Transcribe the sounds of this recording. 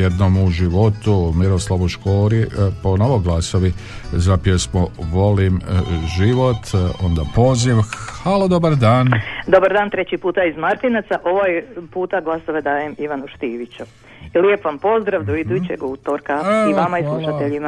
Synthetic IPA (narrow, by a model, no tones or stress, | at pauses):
jed̪nomuʒiʋot̪umiɾo̞slˠaʋuʃkoːɾiponoʋoɡlˠasoʋizapjesmoʋo̞limʒiʋo̞t̪ond̪apo̞ziʋhaːlod̪obaɾd̪aːnd̪o̞baɾd̪aːnt̪ɾet͡ɕipuːt̪aizmaɾt̪inat̪saʔo̞ʋojpuːt̪aɡlˠasoʋe̞d̪aːjemiʋanuʃt̪iːʋit͡ɕu | iljepʋampo̞zd̪ɾaʋd̪oid̪ut͡ɕeɡuːt̪oɾkaiʋamaisllˠuʃaeʎima